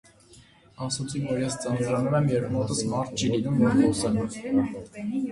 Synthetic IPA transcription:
ɑsut͡sʰivɔɾjɛst͡sɑnuʒɑnumɛmjɛɾmɔt̪əsmɑɾt̪̚ʰt͡ʃʰilinumːiχɔsɛm

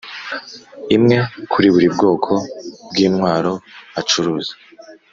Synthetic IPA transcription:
imŋe̞kʰuɾiβuɾib̚ɡo̞ːkʰo̞bɡiːnŋwaːɾo̞at͡ʃuɾuːzḁ

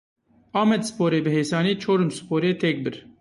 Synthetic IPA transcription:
ɑːmɛd̪sɨ̥poːɾeːbɨɦeːsɑːniːt͡ʃʰoːɾɨmsɨ̥pʰoːɾeːt̪ʰɛk̚bɨɾ

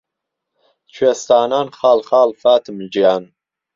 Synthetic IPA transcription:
t͡ʃʰwɥest̪aːnaːnχaːlχaːlfaːt̪ʰɨmld͡ʒijaːn

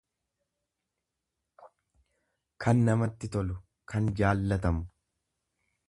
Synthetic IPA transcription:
kʰɐnːɐmɐt̪ːɪt̪ɔlʊ | kʰɐnd͡ʒaːlːɐt̪ɐmʊ

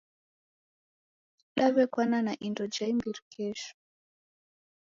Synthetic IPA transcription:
ɗaβɛkwananaʔindɔd͡ʒaimbiɾikʰɛʃɔ̥

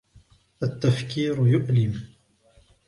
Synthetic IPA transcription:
ʔat̪ːafkiːɾjʊʔlɪm

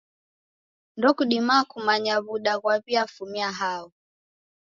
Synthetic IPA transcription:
ndɔkuɗimaːkumaɲaβuɗaɣwaβiafumiaɦaɔ

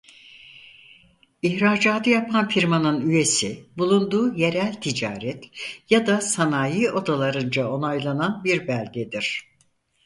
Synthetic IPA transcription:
içɾaːd͡ʒaːd̪ɯjapʰanfiɾmanɯnyje̞sibulˠund̪uːje̞ɾælʲt̪ʰid͡ʒa̰ːɾɛt̪ʰjad̪asanaːjɯo̞d̪alˠaɾɯnd͡ʒao̞najlˠananbiɾbælʲɟed̪iɾ̝̥

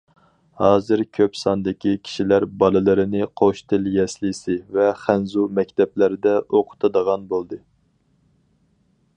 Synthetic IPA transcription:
hɑːzɨɾkʲʰøpsɑnd̪ɪkʲʰikʲʰi̥ʃilæɾbɑlˠɨlˠɨɾɪnɨqʰoʃt̪ʰɪljɛslɪsɪvɛχænzumɛkʲt̪ʰɛplæɾɪd̪ɛʔoqʰʊ̥t̪ʰɨd̪əʁɑnbolˠd̪ɨ

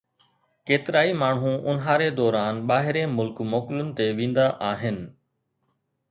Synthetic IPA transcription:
keːt̪ɪɾaːimaːɳɦũʔʊnɦaːɾed̪ɔːɾaːnɓaːɦɪɾẽmʊlkmoːkɪlʊnɪ̆t̪eʋĩːnd̪aʔaːɦɪnɪ̆

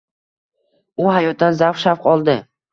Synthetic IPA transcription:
ʊɦajɒt̪̚d̪anzafʃafqʰɒlˠd̪ɪ

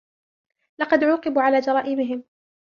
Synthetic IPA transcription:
lɑqɑd̪ʕuːqɨbuːʕalaːd͡ʒɑɾˤɑːʔɪmɪɦɪm

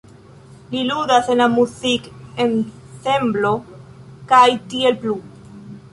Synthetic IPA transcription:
liludase̞nlamusiken | se̞mblo̞kajtie̞lplu

